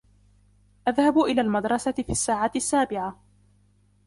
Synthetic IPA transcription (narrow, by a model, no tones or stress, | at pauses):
ʔaðhabʔɪlaːlmad̪ɾˤɑsafiːasːaːʕaːt̪ɪsːaːbɪʕa